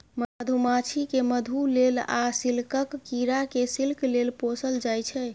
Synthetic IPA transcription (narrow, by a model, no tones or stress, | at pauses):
md̪ʱumat͡ʃʰikeməd̪ʱulela̰silkəkːiɾakesilklelposəld͡ʒajt͡ʃʰɛ